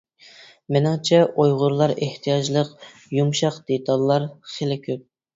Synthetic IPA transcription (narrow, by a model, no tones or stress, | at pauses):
mɪnɪŋt͡ʃʰɛʔojʁʊɾlˠɑɾeht̪ʰijɑd͡ʒlˠəq | jumʃɑqd̪̥et̪ʰɑlˠːɑɾχelɪkʲʰøp̚